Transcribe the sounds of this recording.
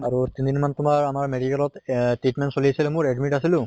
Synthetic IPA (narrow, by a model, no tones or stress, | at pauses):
aɹut̪ind̪inmant̪ʊmaɹamaɹmeɖikɛlɔt̪tiʈmensoliasilemuɹeɖmiʈasilʊ̃